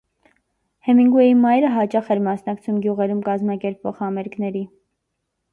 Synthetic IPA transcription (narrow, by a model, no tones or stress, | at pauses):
hɛmiŋɡujimɑjɾəɦɑt͡ʃɑχɛɾmɑsnɑkt͡sʰumɡjuʁɛɾumkɑzmɑkɛɾpvɔ̰ʁhɑmɛɾknɛɾi